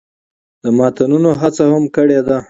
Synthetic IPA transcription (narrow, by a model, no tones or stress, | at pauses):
d̪̥əmɑt̪anunoɦat͡sahamkəɽed̪a